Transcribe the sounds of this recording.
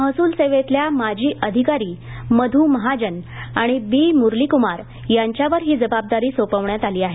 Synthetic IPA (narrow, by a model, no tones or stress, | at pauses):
məɦsuːlseʋet̪ljamad͡ʑʱiːʔəd̪ʱikaɾiː | məd̪ʱuːməɦad͡ʑənaɽ̃ibiːmuɾlikumaɾ | jaɲt͡ɕjaʋəɾɦiːd͡zəbab̚d̪aɾiːsopəʋɳjat̪aliːaɦe